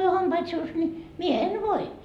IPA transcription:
ei o hɑmpɑit suːs nʲi mie en ʋoi

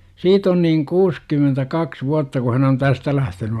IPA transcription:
siːt on niːŋ kuːskymentækɑks ʋuɑtːɑ ku hæn on tæstæ læhteny

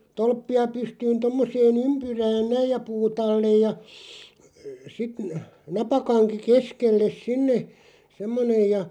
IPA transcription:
tolpːiɑ pystyːn tomːoseːn ympyræːn næij jɑ puːt ɑlːej jɑ sit n nɑpɑkɑŋki keskelːes sinːe semːonej jɑ

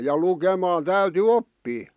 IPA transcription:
jɑ lukemɑːn tæyty opːiː

